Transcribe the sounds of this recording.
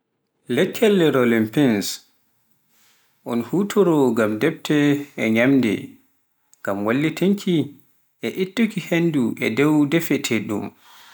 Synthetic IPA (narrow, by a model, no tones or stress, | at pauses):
lɛkʰːɛlːɛɾolimpins | ʔɔnhutʰɔɾɔɡamdɛb̚tʰɛɛɲamdɛ̰ | ŋɡ̥amwalːitiŋkʰi | ʔɛʔitːukihenduʔɛ̰dɛwdɛfɛtʰɛɗṵm